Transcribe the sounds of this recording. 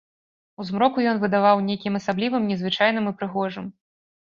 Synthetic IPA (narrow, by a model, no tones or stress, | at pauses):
uzmɾɔkujɔnvɨd̪avawnʲejkʲimɐsablʲivɨmnʲɛzvɨt͡ʂajnɨmɨpɾɨɣɔʐɨm